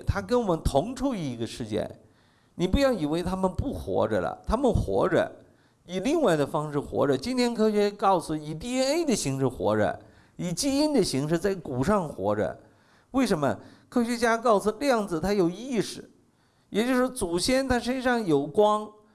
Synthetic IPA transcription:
t̪ʰa˥kə˥nwɔ˨˩mə˦nt̪ʰʊ˧˥ŋʈ͡ʂʰu˥˧i˥˩i˧˥ɡə˧ʂɻ̩˥˩t͡ɕjɛ̰˥˩n | ni˨˩pu˧˥jɑ˥˩ʊi˨˩we˥˩ɪt̪ʰa˥mə˨npu˥˩xwɔ̰˧˥ʈ͡ʂə̰˧lə̰˩t̪ʰa˥mə˨nxwɔ̰˧˥ʈ͡ʂə̰˧ | i˨˩li˥˧ŋwa˥˩ɪd̪ə˩fɑ˥ŋʂɻ̩˥˩xwɔ̰˧˥ʈ͡ʂə˧t͡ɕi˥nt̪ʰjɛ˥nkʰɤ˥ɕɥɛ˧˥kɑ˥˩ʊsu˨˩i˨˩t̪i˥ɛ˥ne˥ɪd̪ə˨ɕi˧˥ŋʂɻ̩˥˩xwɔ̰˧˥ʈ͡ʂə̰˧ | i˨˩t͡ɕi˥i˥nd̪ə˨ɕi˧˥ŋʂɻ̩˥˧t͡sa˥˩ɪku˨˩ʂɑ˥˩ŋxwɔ̰˧˥ʈ͡ʂə̰˧ | we˥˩ɪʂə˧˥nmə̰˧kʰɤ˥ɕɥɛ˧˥t͡ɕja˥kɑ˥˩ʊsu˨˩ljɑ˥˩ŋd͡zɹ̩˨˩t̪ʰa˥jo˨˩ʊi˥˩ʂɻ̩˨˩ | jɛ˨˩t͡ɕjo˥˧ʊʂɔ˥t͡su˨˩ɕjɛ˥nt̪ʰa˥ʂə˥nʂɑ˥˩ŋjo˨˩ʊkwɑ˥ŋ

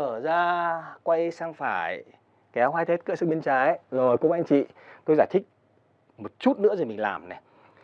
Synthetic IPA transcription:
əː˧˩zaː˧kwa˧jsaː˧ŋfaː˧˩j | kɛ˨˦wɦaː˧jt̪ʰe˦˥t̚kɨ̰ː˧˥sɨ˦˥k̚ɓi˧nt͡ɕaː˨˦jzo˨˩jkʊ̰˧˦ŋ͡mʔa˧jŋ̟t͡ɕḭ˧˨t̪o˧jzaː˧˩jt̪ʰï˦˥k̚ | mo˨˩t̚t͡ɕu˦˥t̚nɨ̰˧˥əzo˨˩mï˨˩ŋ̟la̰ː˨˩mnɛ˨˩

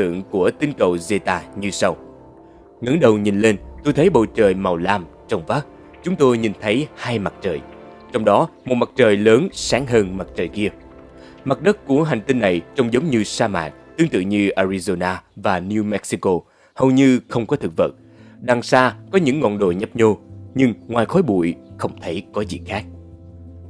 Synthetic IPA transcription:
ɨ̰˧˨əŋku˧˩ət̪ï˨˦ŋnkə˨˩wze˧t̪aː˧ɲɨ˧sa˧w | ŋɨ̰˧˥nɗə˨˩wɲi˨˩nle˧nt̪u˧jt̪ʰə˨˦jɓo̰˧˨t͡ɕəː˨˩jma˨˩wlaː˧m | t͡ɕɔ˧wŋ͡mvaː˦˥k̚ | t͡ɕʊ˨˦ŋ͡mt̪o˧jɲi˨˩nt̪ʰə˨˦jhaː˧jma˨˩t̚t͡ɕəː˨˩j | t͡ɕɔ˧wŋ͡mɗɔ˨˦mo˨˩t̚ma˨˩t̚t͡ɕəː˨˩jləː˨˦nsaː˨˦ŋɦəː˧nma˨˩t̚t͡ɕəː˨˩jki˧ə | ma˨˩t̚ɗə˦˥t̚ku˧˩əɦa˨˩jŋ̟t̪ï˧nːa˨˩jt͡ɕɔ˧wŋ͡mzə˨˦wŋ͡mɲɨ˧saː˧ma̰ː˧˨n̚t̪ɨ˨˦əŋt̪ɨ̰˧˨ɲɨ˧ʔaː˧ɾi˧zo˧naː˧vaː˨˩ni˧mɛ˦˥k̚si˧ko˧ | hə˨˩wɲɨ˧xə˧wŋ͡mkɔ˨˦t̪ʰɨ˨˩k̚və̰˧˨˩t̚ | ɗa˨˩ŋsaː˧kɔ˨˦ɲɨ̰˧˥ŋːɔ̰˧˨nɗo̰˧˩jɲə˦˥p̚ɲo˧ɲɨ˧ŋŋwaː˨˩jxɔ˨˦jɓṵ˧˨jxə˧wŋ͡mt̪ʰə˨˦jkɔ˨˦zḭ˧˨xaː˦˥k̚

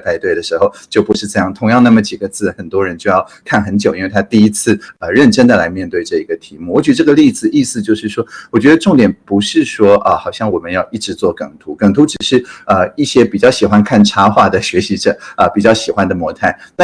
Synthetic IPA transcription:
p̪ʰa˥˧ɪt̪we˥˩ɪd̪ə˩ʂɻ̩˧˥xo˥˧ʊt͡ɕjo˥˩ʊpu˧˥ʂɻ̩˥˩t͡sa˥˧ɪjɑ˥˩ŋt̪ʰʊ˧˥ŋjɑ˥˧ŋna˥˩mə˩t͡ɕi˨˩ɡə˦t͡sʰɹ̩˥˩xə˨˩nt̪wɔ˥ɻə˧˦nt͡ɕjo˥˧ʊjɑ˥˩ʊkʰa˥˩nxə˧˥nt͡ɕjʊi˥nwe˥˩ɪt̪ʰa˥t̪i˥˩i˥t͡sʰɹ̩˥˩ə˧ɻə˥˩nʈ͡ʂə˥nd̪ə˨la˧˥ɪmjɛ˥˧nt̪we˥˧ɪʈ͡ʂɤ˥˩i˧˥ɡə˧t̪ʰi˧˥mu˥˩wɔ˧˥t͡ɕɥɛ˧˥˧ʈ͡ʂɤ˥˩ɡə˩li˥˧t͡sɹ̩˨˩ʔi˥˧sɹ̩˥˧t͡ɕjo˥˧ʊʂɻ̩˥˩ʂwɔ˥wɔ˨˩t͡ɕɥɛ˧˥ə˧ʈ͡ʂʊ˥˩ŋt̪jɛ˨˩npu˧˥ʂɻ̩˥˩ʂwɔ˥ə˧xɑ˨˩ʊɕjɑ˥˩ŋwɔ˨˩mə˦njɑ˥˧ʊi˥˩ʈ͡ʂɻ̩˧˥t͡swɔ˥˩kɤ˨˩ŋt̪ʰu˧˥kɤ˨˩ŋt̪ʰu˧˥ʈ͡ʂɻ̩˨˩ʂɻ̩˥˩ə˧i˥˩ɕjɛ˥pi˨˩t͡ɕjɑ˥˩ʊɕi˨˩xwa˥nkʰa˥˩nʈ͡ʂʰa˥xwa˥˩d̪ə˩ɕɥɛ˧˥ɕi˧˥ʈ͡ʂɤ˨˩ə˧pi˨˩t͡ɕjɑ˥˩ʊɕi˨˩xwa˦nd̪ə˨mwɔ˧˥t̪ʰa˥˩ɪt̪a˥˧

